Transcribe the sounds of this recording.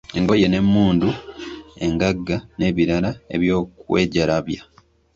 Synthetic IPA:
eŋɡo̞je̞ne̞mːuːndue̞ŋɡaɡːane̞ːβiɾalae̞̰βjo̞ːkweːɟaɾaβja

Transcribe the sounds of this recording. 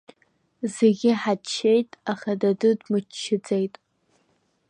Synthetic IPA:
zeɡʲɪħat͡ʃʰːejtʼaχadadɨdmɨt͡ʃʰːɪd͡zʼejtʼ

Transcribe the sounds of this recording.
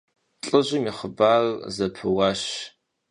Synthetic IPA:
ɬʼɨʒɪmiːχəbaːrzɐpʰɨwɑːɕ

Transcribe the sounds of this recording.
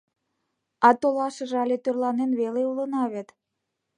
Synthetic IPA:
ɑt̪olɑʃɤ̆ʒɑlʲet̪ørlɑnenβeleulə̆nɑβet̪

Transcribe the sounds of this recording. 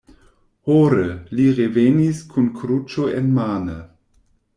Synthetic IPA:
hoɾəliɾeveniskʰunkʰɾut͡ʃoenmaːnə

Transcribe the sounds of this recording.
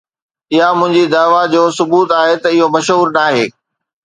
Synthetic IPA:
ɪɦamʊ̃ɦɪ̃ɲd͡ʑid̪aːʋad͡ʑoːsʊbuːt̪aːɦet̪ɐɪɦomɐʃɦuːɾnaːɦeː

